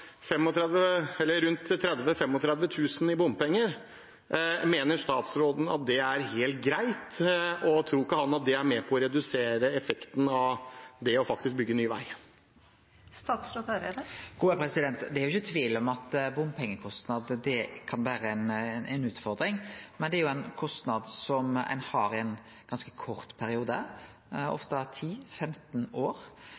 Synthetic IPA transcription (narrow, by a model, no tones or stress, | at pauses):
fɛmːɔt̪ʰɾɛd̪ʋəɛlːəɾʉnt̪t̪ʰːɾɛd̪ʋəfɛmːɔt̪ʰɾɛd̪ʋət̪ʰʉːsn̩ɪbʊmbpɛŋːəɾ | meːnəʂt̪ɑːt̪sɾoːd̪n̩ɑ̰t̪̚d̪ɛæɾheːlt̪̚ɡɾæɪt̪ɔt̪ʰɾuːɪkːəhɑnːɑt̪̚d̪ɛæɾmɛpʰɔɔɾɛd̪ʉseːɾəɛfɛkt̪n̩ɑʋd̪ɛɔfɑk̚t̪ɪsk̚bʏɡːənyːʋæ̰ɪ | st̪ɑːt̪sɾot̪ɑɾəd̪əɡ̥uːəpʰɾɛsɪd̪ɛnt̪d̪ɛæɾjʊɪçːət̪ʰʋiːlɔmɑt̪bʊmpʰɛŋːəkʰɔst̪nɑd̪d̪ɛkʰɑnʋæːɾəɛnnʔɛnʉːt̪fɔɾd̪ɾɪŋmɛnd̪ɛæɾjʊɛnkʰɔst̪nɑd̪sɔmɛ̰nhɑɾɪɛn | ɡ̥ɑnskə̥kʰɔɾt̪pʰæɾɪuːd̪ə | ɔ̰ft̪ət̪ʰiːfɛmt̪noːɾ